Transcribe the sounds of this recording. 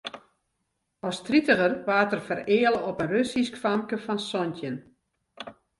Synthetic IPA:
ɔstritəɣərʋaːtərfərɪːəlˠəɔpənrøsiskfamkəfɔnsɔntjən

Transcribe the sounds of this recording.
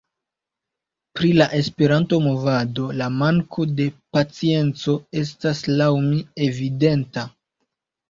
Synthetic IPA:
pɾilaʔe̞spe̞ɾanto̞mo̞vado̞lamaŋkʰo̞de̞pat͡sie̞nt͡so̞e̞s̬taslawmie̞vide̞nta

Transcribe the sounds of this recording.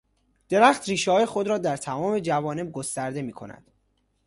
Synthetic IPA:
d̪̥e̞ɾæːχt̪ɾiːʃehɒːjexo̞d̪ɾɒːd̪æɾt̪ʰæmɒːme̞d͡ʒævɒːne̞b̚ɡost̪æɾd̪e̞miːkʰo̞̰næ̰d̪̥

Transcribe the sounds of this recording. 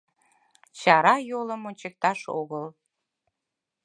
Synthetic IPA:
t͡ɕɑɾɑjoləmonʲt͡ɕek̚t̪ɑʃoɣəl

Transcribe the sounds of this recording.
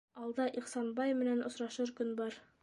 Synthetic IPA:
ɑlˠd̪ɑʔiqsɑnbɑjmɘ̆nænʔŏsɾɑʃɤɾkɵnbɑɾ

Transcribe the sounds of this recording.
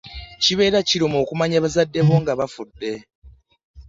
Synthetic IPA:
ciβe̞ːɾaciɾomo̞ːkumaɲaβazadːe̞βo̞ŋɡaβafudːe̞

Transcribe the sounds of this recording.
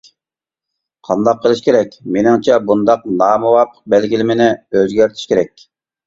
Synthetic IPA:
qʰɑnd̪ɑqʰːəlˠɨʃkʲʰeɾɛkʲmenɪŋt͡ʃʰɛbund̪ɑqnɑːmuwɑpʰːə̥q̚bɛlɡʲilɪmɪnɪøzɡʲæɾt̪ʰi̥ʃkʲʰeɾɛkʲ

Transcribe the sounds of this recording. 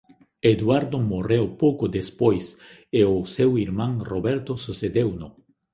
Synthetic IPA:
ed̪waɾd̪omorewpowkod̪espojseosewiɾmãŋroβɛɾt̪osused̪ewnʊ

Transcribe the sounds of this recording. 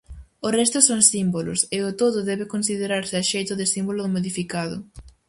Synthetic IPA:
ʊrɛst̪ʊsoŋsimbolʊ̰sɪʊt̪oðʊðɛβɪkonsiðeɾaɾsɪaʃejt̪ʊðɪsimbolʊðomoðifikaðʊ̰

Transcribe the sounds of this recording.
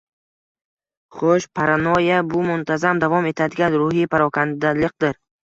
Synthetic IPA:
χoʃpʰaɾanojabʊmʊnt̪ʰazamd̪avɒme̞t̪ʰad̪ɪɡʲanɾʊhipʰaɾɒkʰand̪alɪq̚d̪ɪɾ

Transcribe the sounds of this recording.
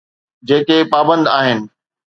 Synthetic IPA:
d͡ʑeːkepaːbə̃nd̪aːɦɪnɪ̆

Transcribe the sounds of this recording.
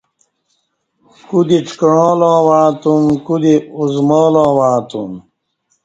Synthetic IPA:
kud̪iʈ͡ʂkɻõːlãːwaːt̪umkud̪iuzmɔːlãːwãːt̪um

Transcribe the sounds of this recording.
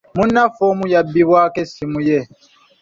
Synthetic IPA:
munːafomujabːiβwaːkesimuje

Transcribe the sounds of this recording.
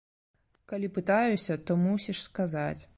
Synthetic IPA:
kalʲipɨt̪ajusʲɐt̪ɔmusʲiʂskazat͡sʲ

